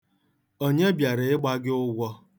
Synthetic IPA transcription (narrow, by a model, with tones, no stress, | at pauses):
o˦ɲe˦bja˨ɾɪ˨ɪ˦ɡ͡ba˦ɡɪ˦ʊ˦ɡʷɔ˦